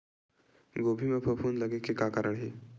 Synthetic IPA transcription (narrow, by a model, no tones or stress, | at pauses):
ɡobʱimepʰəpʰuːnləɡekːekakəɾəɳɦi